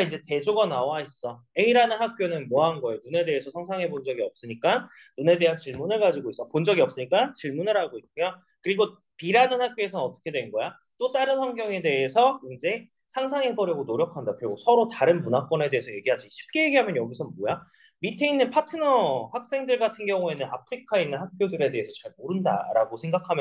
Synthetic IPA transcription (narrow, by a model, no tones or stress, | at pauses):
aind͡ʑe̞te̞d͡ʑoɡanawais͈ʌ | eiɾanɯnɦak̚k͈jonɯnmoɦanɡʌejonune̞de̞ːsʰʌsʰaŋsʰaŋɦebond͡ʑʌɡiʌp̚s͈ɯɲik͈an | nune̞de̞ant͡ɕiɭmunɯɭɡad͡ʑiɡois͈ʌpond͡ʑʌɡiʌp̚s͈ɯɲik͈ant͡ɕiɭmunɯɾɦaɡoik͈̚ɯmjʌ | kɯɾiɡo | piɾanɯnɦak̚k͈joe̞sʰʌnʌt͈ʌ̥kʰe̞dwe̞nɡʌja | t͈ot͈aɾɯnsʰʌŋɡjʌŋe̞de̞ːsʰʌind͡ʑe̞ | sʰaŋs̬ʰaŋebʌɾjʌɡonoɾjʌkʰandakɯɾiɡosʰʌɾotaɾɯnmunak͈ʌne̞deesʰʌje̞ɡiɦad͡ʑiɕʰi̥p̚k͈e̞je̞ɡiɦamjʌnjʌɡisʰʌnboja | mitʰe̞inːɯnpʰatʰɯnʌhak̚s͈e̞ŋdɯɭɡatʰɯnɡjʌŋue̞nɯna̰pʰɯɾikʰainːɯnɦak̚p͈jodɯɾe̞de̞ɦesʰʌt͡ɕaɭmoɾɯnda̰ɾaɡosʰe̞ŋɡakʰamjʌ